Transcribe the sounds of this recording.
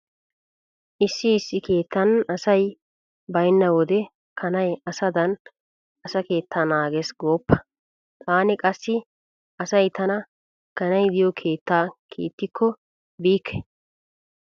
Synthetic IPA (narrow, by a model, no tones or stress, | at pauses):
ʔɪsːɪːsːɪke̞ːt̪ːɐnɐsɐj | bɐjnːɐwɔd̪ɛ | kʰɐnɐjɐsɐd̪ɐn | ɐsɐke̞ːt̪ʰːaːnaːɡesɡo̞ːpːɐ̥ | t̪ʰaːnɪkʼɐsːɪ | ɐsɐjt̪ʰɐnɐ | kɐnɐjd̪ɪjɔkʰe̞ːt̪ːaːkʰḛːt̪ːɪkʰːɔ | biːkʰːɛ̥